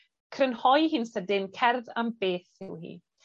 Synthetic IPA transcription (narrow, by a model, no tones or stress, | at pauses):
kʰrənhɔjhɨnsədɪnkʰɛrðambeːθɪwhḭː